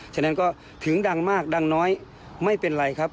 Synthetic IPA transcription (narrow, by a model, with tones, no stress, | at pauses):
t͡ɕʰa˧˩na˥˨nkɔː˥˩ | t̪ʰɯ˨˩˦ŋda˧˩ŋmaː˥˩k̚da˧ŋnɔː˦˥j | ma˥˩jpe˨nla˨˧jkʰa˦˥p̚